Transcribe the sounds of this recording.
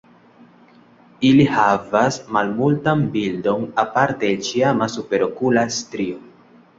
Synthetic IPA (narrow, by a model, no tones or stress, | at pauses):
ilihavasmalmultanbildo̞napaɾteːlt͡ʃiamasupe̞ɾo̞kulastɾio